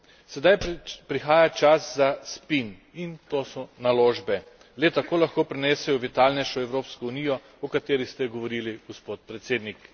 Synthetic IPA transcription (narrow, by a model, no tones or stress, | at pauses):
sɛd̪ajpɾixaːjat͡ʃaszaspin | int̪oːsɔnaloːʒbɛ | lɛt̪akoːlaxkoːpɾɛnɛːsɛjɔʋit̪alnɛjʃɔɛwɾoːpskɔunijɔ | ɔkat̪eːɾist̪ɛɡɔʋɔɾiːliɡ̥ɔspoːt̪̚pɾɛt̪seːd̪nik